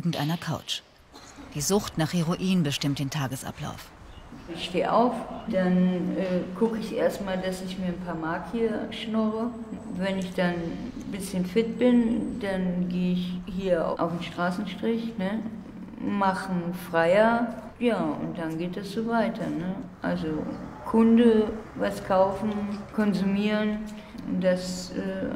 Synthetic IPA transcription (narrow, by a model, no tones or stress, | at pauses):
ɡŋ̩tʔa̰ɪnɐkʰa̰ʊt͡ʃ | d̥iːzʊxtnaːχhiʁoʔiːnbəʃtɪmt̚d̥eːntʰaːɡəsʔa̰pla̰ʊf | zɪçʃteːʔa̰ʊfd̥anʔɛːɡʊkəɪçʔḛːɐstmaːldasɪçmiːɐnpʰaːɐmaːkʰiːɐʃnʊʁə | vɛnɪçd̥an | bɪsçənfɪt̚b̥ɪnd̥anɡeːəɪçhiːɐa̰ʔa̰ʊfn̩ʃtʁ̥aːsn̩ʃtʁ̥ɪçnə | maχn̩fʁ̥aɪɐ | jaːʊ̰nt̚d̥anɡeːt̚d̥asz̥oːvaɪtʰɐnəʔa̰lzokʰʊndəvaskʰaʊfn̩kʰɔnzumiːʁən | d̥asʔɛː